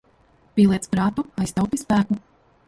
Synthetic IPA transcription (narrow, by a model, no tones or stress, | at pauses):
pʲiːlˠiɛt̪spɾaːt̪uajst̪awp̪ispæːku